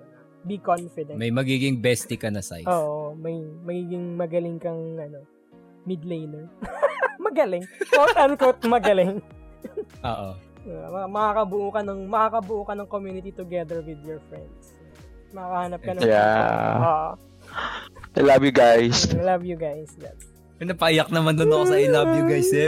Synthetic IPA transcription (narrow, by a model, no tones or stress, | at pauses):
bikonfɪd̪ɛmɐjmɐɡiːɡɪŋbɛst̪ɪkɐnɐsa̰jʔoːʔomɐjmɐɡiːɡɪŋmɐɡɐlɪŋkɐŋʔɐno̞ | mɪd̪lejnɐ | mɐɡɐlɪŋkowt̪ɐnkot̪̚mɐɡɐlɪŋ | ʔo̰ːʔo̰ | a̰ɐmɐkakɐbʊʔokɐnɐŋmɐkakɐbʊʔokɐnɐŋkomjuːnɪt̪it̪ʊɡɛd̪ɛɹwɪd̪jɔɹfɹɛ̰nd̪s | mɐkaːkɐhaːnɐp̚kɐnɐja̰oːʔo̰ | ʔɪlabjʊɡajslɐvjʊɡajsja̰t̪ | ɪnɐpɐʔijɐk̚nɐmɐnd̪onɐkosɐʔɪlɐbjʊɡajsɛ